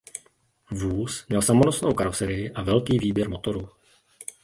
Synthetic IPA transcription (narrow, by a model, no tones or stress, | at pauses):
vuːsmɲɛlsamonosnowkaɾosɛɾɪjɪʔavɛlkiːviːbjɛɾmo̞t̪o̞ɾu